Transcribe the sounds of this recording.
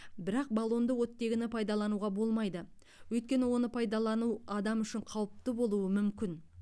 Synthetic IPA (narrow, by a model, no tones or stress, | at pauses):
bɪɾɑq̚balˠo̞nd̪əwo̞t̪ːe̞ɡʲɪnɪpʰɑjd̪ɑlˠɑnuwʁɑbo̞lˠmɑjd̪ə | wɵjt̪kʲe̞nɪwo̞nəpʰɑjd̪ɑlˠɑnuɑd̪ɑmʏʃɪɴqʰɑwəp̚t̪əbo̞lˠuəmʏmkʲɪn